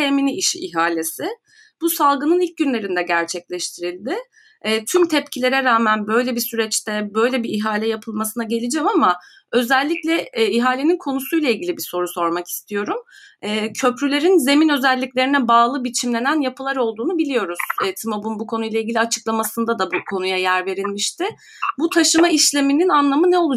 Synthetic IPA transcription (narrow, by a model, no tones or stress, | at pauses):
eminiiʃiiɦaːlʲesɪ | b̥usalˠɡɯnɯnilʲc̚ɟynlʲe̞ɾind̪ɛɟæɾt͡ʃʰɛclʲɛʃt̪ʰiɾilʲd̪ɪː | t̪ʰymt̪ʰɛpcʰilʲe̞ɾɛɾaːmænbø̞jlʲebisyɾɛt͡ʃt̪ʰɛbø̞jlʲebiiɦaːlʲɛjapʰɯlˠmasɯnaɟe̞lʲid͡ʒɛmama | ø̞zɛlʲːiclʲɛiɦaːlʲe̞ninkʰo̞nusujlˠailʲɟʲilʲibiso̞ɾuso̞ɾmaki̥st̪ʰijo̞ɾum | ɛːcʰø̞pɾylʲe̞ɾinze̞minø̞zɛlʲːiclʲe̞ɾinɛbaːlˠɯbit͡ʃʰimlʲe̞nænjapʰɯlˠaɾo̞lˠd̪uːnubilʲijo̞ɾuz̥ɛt̪ʰimo̞bunbukʰo̞n̪ujlˠailʲɟilʲiat͡ʃʰɯ̥klˠamasɯnd̪ad̪abukʰo̞nujajæɾve̞ɾilʲmiʃt̪ɪ | but̪ʰaʃɯmaiʃlʲe̞mininanlˠamɯnɛo̞lˠu